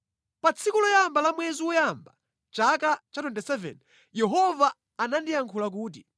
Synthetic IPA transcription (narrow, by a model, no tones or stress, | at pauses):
pat͡sʰikulɔjambalamwɛziwɔjamba | t͡ʃakat͡ʃatwɛntɛsɛvɛ̰n | jɛɦɔvaː | nandijaŋkʰulak̬uːt̬i